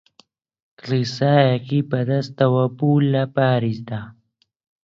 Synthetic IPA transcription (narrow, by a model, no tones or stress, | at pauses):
klisaːjakipɐd̪ast̪awapulapaːɾisd̪a